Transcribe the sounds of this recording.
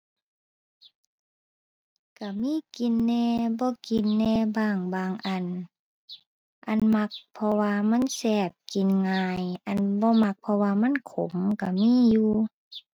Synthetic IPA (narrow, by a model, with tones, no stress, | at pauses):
ka˧˩miː˧˥˨ki˨nːɛː˧bɔː˧˨ki˨nːɛː˧˨baː˧˩ŋbaː˧˨ŋʔa˨n | ʔa˨nma˧k̚pʰɔ˧waː˧ma˧˥˨nsɛː˧˩p̚ki˨nŋaː˧jʔa˨nbɔː˧˦ma˧k̚pʰɔ˧waː˧ma˧˥˨nkʰo̰˨˦ŋka˧˩miː˧˥˨juː˧